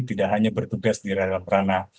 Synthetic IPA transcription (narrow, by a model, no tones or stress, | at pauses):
t̪idaʔɦaɲabərt̪uɡasdiɾalamɾana